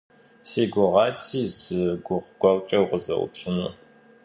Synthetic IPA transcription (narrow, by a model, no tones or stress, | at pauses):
seːɡʷʊʁɑːtʰiːzɨɡʷʊʁɡʷɐwt͡ʃʼɐwʁəzɐ̰ʔʊ̰pɕʰʼɨnɨ